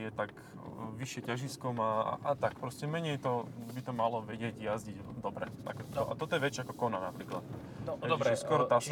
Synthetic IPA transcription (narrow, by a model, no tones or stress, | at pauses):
jɛt̪ak | ʋiʃɪɛcaʒiskɔmaa̰ʔat̪ak̚pɾɔscɛmɛɲɛjt̪ɔbit̪ɔmalɔʋɛɟɪɛɟjazɟiɟd̪ɔbɾɛ̰t̪a̰kɔt̪ɔʔa̰t̪ɔt̪ɔjɛʋɛt͡ʃakɔkɔnanapɾiːklat̪ | ɛɛskɔɾɔt̪as